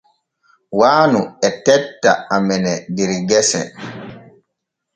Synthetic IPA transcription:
waːnuɛtɛtːa̰amɛnɛdiɾiɡɛsɛ̰

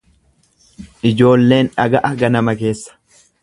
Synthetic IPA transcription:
ʔɪd͡ʒo̞ːlːe̞ːnᶑɐɡɐʔɐɡɐnɐmɐke̞ːsːɐ̥

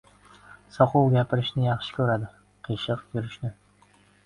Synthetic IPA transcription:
sɒqʊwɡʲapʰɪɾɪʃnɪjɑχʃɪ̥kʲʰɵɾad̪ɪ | qʰeʃɨqjʊɾɪʃnɪ

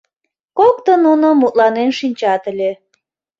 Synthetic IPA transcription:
kok̚t̪ənunomːut̪lɑnenʃinʲt͡ɕɑt̪əlʲe

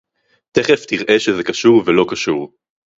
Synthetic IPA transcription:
t̪eχeftiʁʔeʃezekaʃuʁvelo̞kaʃuʁ

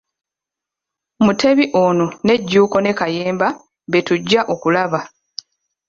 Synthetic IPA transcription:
mutʰe̞βiʔonone̞ɟːuːko̞ne̞kajeːmba | βe̞tuɟːaʔokulaβa

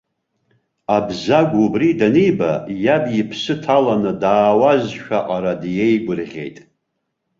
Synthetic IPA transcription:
abzaɡʷubridanejba̰jabjipʰsɨtʰalanɨdaːwazʃᶣaʔʼaɾadjejɡʷʊrʁʲe̞̰jtʼ

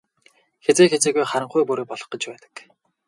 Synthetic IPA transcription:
xet͡seːxet͡seːɣujχaɾə̆ɴχujpuɾeːpɔɮɞ̆χɞ̆t͡ɕpæːt̪ə̥̆k

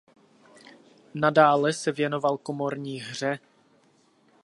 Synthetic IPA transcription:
nadaːlɛsɛvjɛno̞valkomo̞ɾɲiːɦr̝ɛ

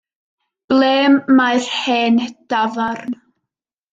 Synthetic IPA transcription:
b̥leːmːajr̥heːnd̥avarn

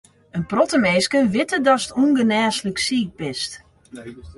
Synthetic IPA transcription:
ənprɔtəmeːskəʋɪtədɔsətuŋɡənɛːsləksiːk̚bɪst

